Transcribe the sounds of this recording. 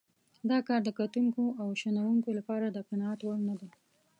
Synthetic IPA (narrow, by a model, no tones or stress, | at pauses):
d̪ɑkɑɾd̪əkat̪uŋkoʔawʃanawuŋkolapɑɾad̪əqanɑːt̪waɽnad̪a